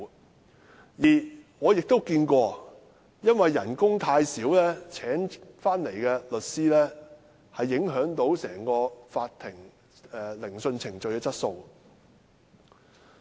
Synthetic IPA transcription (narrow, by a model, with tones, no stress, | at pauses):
jiː˨˩ŋɔː˨˧jɪ˨k̚t̪o˥wkiː˧nkʷɔː˧ | jɐ˥nwɐ˨jːɐ̰˨˩nkʊ˥ŋt̪ʰaː˧jsiː˨˥wlɛː˥t͡sʰɛː˨˥ŋfaː˥nle˨˩jkɛː˧lɵ˨t̚siː˥lɛː˥ | hɐ˨jːɪ˨˥ŋɦœː˨˥ŋt̪o˨˥wsɛː˨˩ŋkɔː˧faː˧t̪ʰɪ˨˩ŋ | ɛ˨lɪ˨˩ŋsɵ˧nt͡sʰɪ˨˩ŋt͡ʃɵ˨ɥjkɛː˧t͡sɐ˥t̚so˧w